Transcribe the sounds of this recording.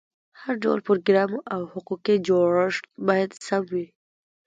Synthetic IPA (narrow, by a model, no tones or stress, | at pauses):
haɾɖa̰wlpʊɾoɡɾɑmʔawhʊquqid͡ʒoɽəʂbɑjad̪samwi